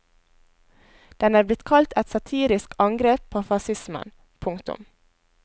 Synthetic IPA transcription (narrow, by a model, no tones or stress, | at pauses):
d̪̥ɛnɑːblɪt̪kʰɑlt̪ɛt̪sɑt̪ʰiːɾɪskɑŋɡɾeːp̚pʰoːfɑsɪsmə̰n | pʰʊŋt̪ʊ̰m